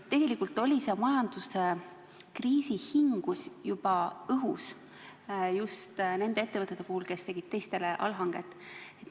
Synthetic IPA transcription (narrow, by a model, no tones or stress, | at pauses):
t̪ːe̞ɡ̥e̞likːˑult̪ːˑo̞lʲisemɑjɑnd̪̥use̞ | kriːsihiŋɡ̥usjub̥ɑɤɦus | just̪ne̞nd̪eet̪ːeɤt̪ːˑet̪ːˑe̞puhulke̞st̪e̞ɡ̥id̥̪̚t̪e̞jst̪e̞leʔɑ̰lɦɑŋɡ̥e̞̰t̪ːˑet̪